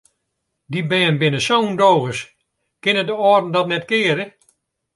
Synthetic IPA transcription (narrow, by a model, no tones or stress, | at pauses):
dibɛːnbɪnəsowndoːɣəs | kɪnədəɔːrdn̩dɔtnɛtkɪːəɾə